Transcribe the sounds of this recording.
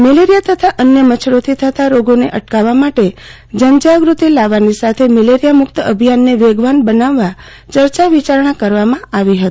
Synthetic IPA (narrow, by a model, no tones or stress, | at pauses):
meleɾijat̪ʰət̪ʰaʔənjəmət͡ʃʰɾot̪ʰit̪ʰət̪ʰaɾoɡoneʔəʈkaʋamaʈe | d͡ʒənd͡ʒaɡɾut̪ilaʋanisat̪ʰemeleɾijamʊkt̪əəbʱijanːeʋeɡʋanbənaʋːa | t͡ʃəɾt͡ʃaʋit͡ʃaɾɳakəɾʋamãaʋiɦət̪i̥